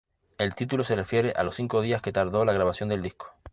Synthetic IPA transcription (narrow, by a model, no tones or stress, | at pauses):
e̞lt̪it̪ulo̞serefje̞ɾe̞ʔa̰losθiŋko̞ð̞iaske̞t̪aɾðo̞laɣɾaβ̞asjo̞nd̪e̞ld̪ihko̥